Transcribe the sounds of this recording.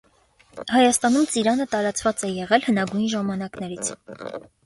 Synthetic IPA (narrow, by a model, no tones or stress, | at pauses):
hɑjɑst̪ɑnumt͡siɾɑnət̪ɑɾɑt͡svɑt͡sɛjɛʁɛlhənɑɡujnʒɑmɑnɑknɛɾit͡sʰ